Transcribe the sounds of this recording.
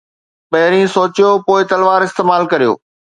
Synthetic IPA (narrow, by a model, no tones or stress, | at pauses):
pɐɦɪɾĩsoːt͡ɕijopoːɪt̪ɐlʋaːɾɪst̪eːmaːlkɐɾijo̰ː